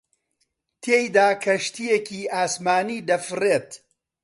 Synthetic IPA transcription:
t̪ʰeːjd̪aːkʰɐʃt̪ijekiːaːsmaːniːd̪ɐfɨreːt̪

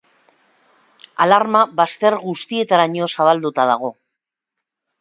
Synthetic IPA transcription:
alaɾmaβast̪e̞ɾɣust̪ie̞t̪aɾaɲo̞saβ̞ald̪ut̪að̞aɣ̞o̞

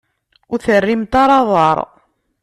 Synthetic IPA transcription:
ʊɾθərːimt̪ɑɾˤɑðˤɑɾˤ

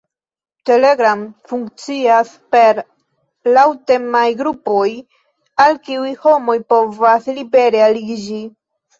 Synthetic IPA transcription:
te̞leɡɾamfuŋkt͡sias | pe̞ɾ | lawtemajɡɾupo̞j | alkiujho̞mo̞jpo̞vaslibe̞ɾealid͡ʒi

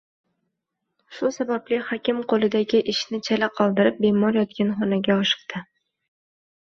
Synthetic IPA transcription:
ʃʊsabablɪhɒkʲɪmqʰolˠɪd̪aɡʲɪʔɪʃnɪt͡ʃʰalaqʰɒlˠd̪ɪɾɪp̚be̞mɒɾjɒt̪̚kʲanχɒnaɡʲaɒʃɨ̥q̚d̪̥ɪ

